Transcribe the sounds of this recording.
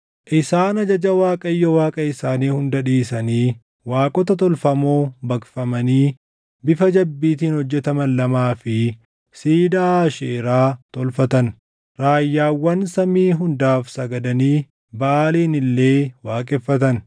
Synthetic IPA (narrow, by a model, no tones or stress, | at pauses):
ʔɪsaːnɐd͡ʒɐd͡ʒɐwaːkʼɐjːɔwaːkʼɐɪsaːniːhʊnd̪ɐᶑiːsɐniː | waːkʼɔt̪ɐt̪ɔlfɐmoːbɐkfɐmɐniː | bɪfɐd͡ʒɐbːiːt̪iːnhɔd͡ʒːɛt̪ɐmɐnlɐmaːfɪ | siːd̪aːʃeːɾaːt̪ɔlfɐt̪ɐn | ɾaːjːaːwːɐnsɐmiːɦʊnd̪aːfsɐɡɐd̪ɐniː | bɐaːliːnɪlːe̞ːwaːkʼɛfːɐt̪ɐn